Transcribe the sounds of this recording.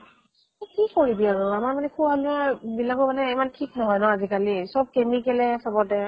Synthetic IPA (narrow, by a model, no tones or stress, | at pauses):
kikoɹibiaɹʊamaɹmanɛkʰubʱaluabilakɔmanɛɛmantʰiknɔɦɔjnɔazikalisɔb̚kemikɛlɛsɔbɔtɛ